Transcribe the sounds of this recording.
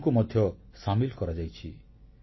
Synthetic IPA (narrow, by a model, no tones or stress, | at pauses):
kumɔd̪ʱjɔsamilkɔɾad͡ʒajt͡ʃʰi